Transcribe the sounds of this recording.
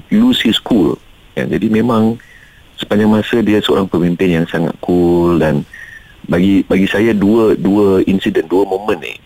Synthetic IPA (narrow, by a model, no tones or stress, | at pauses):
lusiskul | ja̰d͡ʒadimẽmãŋ | sə̥paɲd͡ʒaŋmasədiasəo̰ɾaŋpəmimpɪnjaŋsaŋa̰t̪̚kʰuldan | baɡibaɡisajaduəduəinsidənduəmõmə̃nḭ